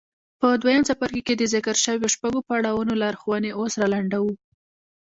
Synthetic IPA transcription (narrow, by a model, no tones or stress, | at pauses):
pəd̪wajəmsapaɾkeked̪əzɪkaɾʃəwjoʃpaɡopaɽawanolɑɾxwaneʔosɾalaɳɖawu